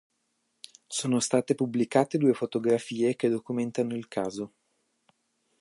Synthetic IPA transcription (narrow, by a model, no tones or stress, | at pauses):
soːnost̪aːt̪epublikaːt̪ed̪uːefot̪oɡɾafiːeked̪okument̪anoilkʰaːzo